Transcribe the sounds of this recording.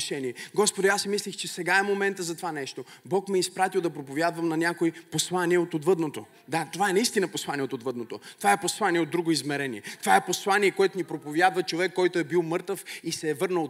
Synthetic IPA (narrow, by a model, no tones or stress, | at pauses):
ʃɛniɛɡɔspod̪iasimislixt͡ʃɛsɛɡaɛmomɛnt̪əzɐt̪ovanɛʃt̪obɔkmɛispɾat̪ilˠd̪ɐpɾopovʲjad̪vəmnɐnʲakoiposlˠaniɛot̪od̪vəd̪not̪o | d̪at̪ovaɛnɐist̪inɐposlˠaniɛot̪od̪vəd̪not̪ot̪ovaɛposlˠaniɛod̪ːɾuɡoizmɛɾɛniɛt̪ovaɛposlˠaniɛkoɛt̪onipɾopovjad̪vɐt͡ʃovɛkːɔjt̪oɛbilˠmɤɾt̪əfisɛːvɤɾnəlˠ